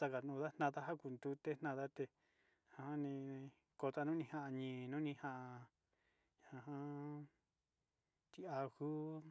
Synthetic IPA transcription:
sa˧ka˨nũ˧ða˦nã˦˧ða˦ɦa˦ku˨nd̪u˧t̪e˦n̥ã˧ða˦t̪e˧ | ã˧hã˦nĩ˧ | ko˧t̪a˧nũ˦nĩ˧ha˦˧ʔa˧ɲĩː˨nũ˦nĩ˧hã˧ʔa˧ | a˨a˧ɦã˦ | t̪i˧a˧hu˦

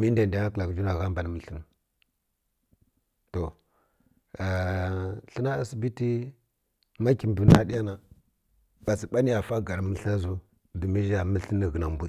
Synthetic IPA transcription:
mi˦nda˨n˨da˨˦a˦kla˨kd͡ʒu˦na˨ɣa˦mba˨n˨mə˦ɬə˦n˨ | to˨ | a˨ | ɬə˦na˦a˦˨si˦bi˦ti˦ | ma˦ki˨m˨bə˨na˦di˦ja˦na˨ | b̥a˨si˨ɓa˦ni˦ja˨fa˦ɡa˨ɾmə˦ɬa˦zu˦ | di˨mi˦ʒa˨mə˦ɬə˦nə˨ɣə˨na˨mbu˦

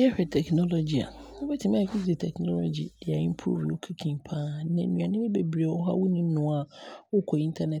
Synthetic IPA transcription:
jɛ˦hᶣɛ˨tʰɛ˨kʰnɔ˦lo˨d͡ʑi˨a̰˨ʊ̃˦bɛ˦tʰɪ˨mã˦˨kʰi˦si˨tʰɛ˨knɔ˦lo˨d͡ʑḭ˨dɪ˨a˨ĩ˦m˦pʰɾṵ˦i˨o̰˦kʰi˦kʰĩ˨mpʰãː˦˨˦nɪ̃˨˦nũ˨ã˨nɪ̃˦mɪ̃˦be˨bɾe˨wɔ˦ɦa̰˦wʊ˦nĩ˦m̩˦nʊ̃˨a˨wʊ˦kʰɔ˨i˦ntʰa˦nɛ˨

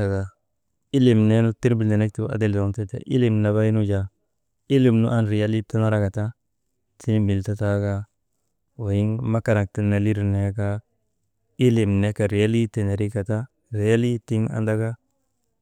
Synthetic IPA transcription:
a˨ɡa˨ | i˦li˨mne˦nu˦ti˦ɾbi˨lde˨ne˦k̚tu˨a̰˨de˦ldo˨˦nte˦tḛ˨ʔḭ˦li˨mna˨βa˦i˦nu˦d͡ʒa˨ | i˦li˨mnṵ˦ʔa˦nɾi˨ja˦li˦ta˦na˦ɾa˦ka˨ta˦ | ti˦ni˦bi˨lta˦ta˦ɡa˦ | wa˨ji˦ŋma˦ka˨ɾa˨ŋk̚ti˦na˨li˦ɾne˦ka˦ | i˦li˨mne˦ka˨ɾi˨ja˦li˦te˨ne˨ɾi˦ka˨ta˦ | ɾi˨ja˦li˦ti˦ŋa̰˨nda˦ɡa˦

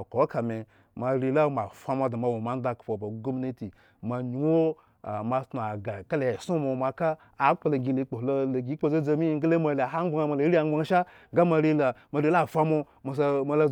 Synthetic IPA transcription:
ko˨˦ka˨me˨ | ma˨ɾi˧la˦ma˨fʷa˧ma˧˦da˨ma˨wo˨ma˦n˦da˧kpo˨ba˨ɡo˦mi˦ne˦ti˨ | ma˧ɲu˨wo˦˨ | ma˧tnu˨a˨ɡa˨ka˦lja˨su˦mo˨ma˧kaː˦˨˦ | k͡po˧lo˨ɡʲi˧˨le˨˦k͡po˨lo˧lo˨ɡʲi˦k͡po˧za˦d͡za˧mi˦ɡe˦le˦ma˧˨la˨ɦa˦ŋ͡mɡ͡ba˦ŋa˧ma˧lo˨˦ɾi˦a˨˧ŋ͡mɡ͡ba˦ŋa˨ʃa˦ | ɡa˦ma˧ɾi˧la˨ma˨ɾi˧˦la˦˨fʷa˦mo˧ | ma˨sa˧ma˧la˦

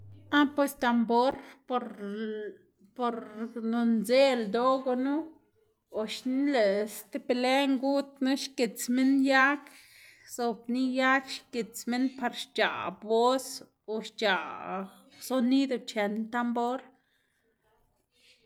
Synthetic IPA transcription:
a˦pwe˧st̪a˧mbo˦ɾpo˧ɾ | po˧ɾno˧nze˦ld̪o˦ɡo˧nu˦ | o˨ʃni˦le˨st̪e˦pe˧le˦ŋɡu˦t̪na˦ʃke˨t͡sme˦nja˦k | z̥o˨bni˦ja˦kʃke˨t͡sme˦npa˧ɾʃt͡ʃa̰˨bo˦s | o˧ʃt͡ʃa˨ | so˧ni˦d̪o˧t͡ʃe˨nt̪a˧mbo˦ɾ

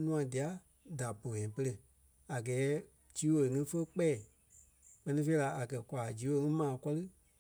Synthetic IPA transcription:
nũ˦ã˧di˨a˨˦ | da˨bõ˨ɛ̃˨˦pə˧lə˧˨ | a˨ɡɛː˨˦ | d͡ʒiː˨˦wo˨lə˨ŋĩ˦fə˦k͡pɛː˦˨ | k͡pɜ˧nĩ˧fe˧i˦la˧a˨kɜ˨kʷa˨d͡ʒiː˨˦wo˧˨˧ŋĩ˦mãː˨˦kɔ˦lɨ˦

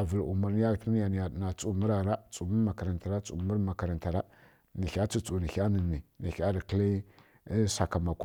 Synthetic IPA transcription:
a˨və˨lu˨ma˦ɾn˦a˦ltni˦ja˨n˨ja˨na˨t͡su˦mə˦ɾa˨ɾa˦t͡su˨mə˦ma˨ka˨ɾa˨nta˨ɾa˦t͡su˨mu˦ɾma˨ka˨ɾa˨nta˨ɾa˦ | ni˨xʲa˦t͡si˦t͡su˨ni˨ɬa˦nə˨ni˨ni˨xa˦ɾi˨kə˦li˦ | sa˨ka˨ma˨ku˦

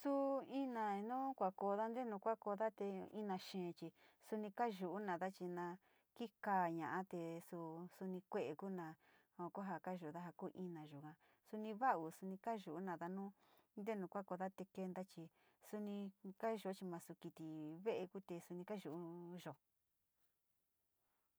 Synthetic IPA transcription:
su˦i˦nã˨˧nũː˦kʷa˨ko˧ða˦nd̪e˦nũ˧kʷa˦ko˧ða˦t̪e˧ḭ˦nã˧˨ʃẽː˨˧t͡ʃi˧su˧nĩ˧ka˦ʒu˨ʔu˦nã˨ða˦t͡ʃi˧nã˧ | ki˦ka˦˨ɲã̰˨ʔa˦t̪e˧su˧su˧nĩ˧kʷe˦ʔe˨ku˦nã˧ | o˨˧kʷa˦ɦa˧ka˦ʒu˨˧ða˦ɦa˧ku˦ʔĩ˧nã˨ʒu˨kã˧ | su˧nĩ˧βa˦u˨su˧nĩ˧ka˦ʒu˨u˦nã˧˨ða˧nũː˦ | nd̪e˦nũ˨kʷa˦ko˧ða˦t̪e˧ke˧nd̪a˦t͡ʃi˧ | su˧nĩ˧ka˦ʒo˨˧˦t͡ʃi˧mã˧su˧ki˧t̪i˨βe˦ʔe˧ku˦t̪e˧su˧nĩ˧ka˦ʒu˨u˦ʒo˨

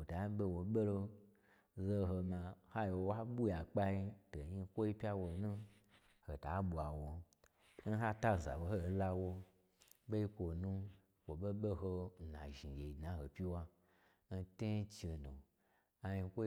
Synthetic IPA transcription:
o˨ta˨˦ɓe˧wo˨ɓe˦lo˧ | zo˦ɦo˧mã˧ha˦jo˨˧wa˦ɓu˦ja˨k͡pa˦i˦to˨ɲi˧kʷo˦i˦pʲa˦wo˨nũ˦ | ho˨ta˨˦ɓu˨a˨wo˨ | n̩˦ɦa˦ta˦˨za̰˨ɓo˧˦ho˦˨˦la˦wo˦ | be˦i˦kʷo˨nũ˦ | wo˨ɓe˦ɓe˦ɦo˧˨na̰˨ʒi˨ɡe˨i˨dnã˨˦ho˨pʲi˦wa˧ | n̩˦te˦t͡ʃe˧no˨ | a˧ɲi˧kʷo˦

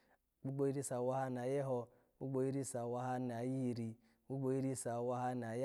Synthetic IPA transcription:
k͡pu˦ɡ͡bo˦i˦ɾi˦sa˨wa˦ha˦n˨a˨je˦ɦo˦ | k͡pu˦ɡ͡bo˦i˦ɾi˦sa˨wa˦ɦa˦n˨a˨ji˦˨ɾi˨ | u˦ɡ͡bo˦i˦ɾi˦sa˨wa˦ɦa˦n˨a˨j

